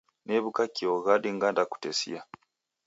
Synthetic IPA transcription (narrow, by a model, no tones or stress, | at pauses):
neβukakioɣadiŋɡandaku̥tesḭa